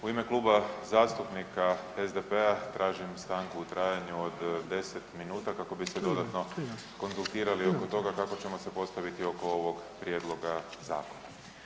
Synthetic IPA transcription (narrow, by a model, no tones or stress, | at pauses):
uime̞klˠuːbazaːst̪upnikaezd̪epeat̪ɾʔaːʒimst̪aŋkuːt̪ɾaːjaɲuod̪d̪e̞set̪minuːt̪akako̞bised̪o̞d̪at̪no̞ | ko̞nzulˠt̪iːɾalio̞kot̪o̞ɡakako̞t͡ɕe̞mo̞se̞po̞st̪aʋit̪io̞ko̞oʋo̞ɡpɾje̞d̪lˠo̞ɡaza̰ːko̞na